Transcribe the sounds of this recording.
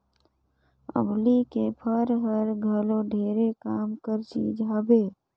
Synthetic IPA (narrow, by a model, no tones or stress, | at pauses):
ə̰blikepʰəɾɦəɾɡʱəloɖʱeːɾekaːmkəɾt͡ʃḭːd͡ʒɦabe